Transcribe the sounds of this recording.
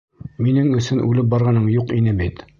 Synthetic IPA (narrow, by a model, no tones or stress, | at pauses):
minɘŋɵ̆sɵnʔʉ̰lɘp̚bɑɾʁɑnɤɴjuqinɘbit̪